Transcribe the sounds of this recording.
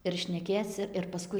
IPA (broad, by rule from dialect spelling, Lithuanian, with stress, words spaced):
ɪr ʃʲnʲɛˈkʲeːt͡s ɪr pɐˈskʊɪ